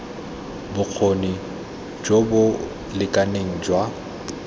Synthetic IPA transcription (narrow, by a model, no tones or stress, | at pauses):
bʊk͡xʰoni | d͡ʒobʊ | lɪkʼaneŋ̩ːd͡ʒwa